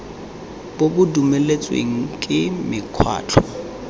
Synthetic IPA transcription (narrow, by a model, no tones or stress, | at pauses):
bobʊdumelet͡sʼwḛŋ̩kʼɪmɪkʰwa̰ːt͡ɬʰɔ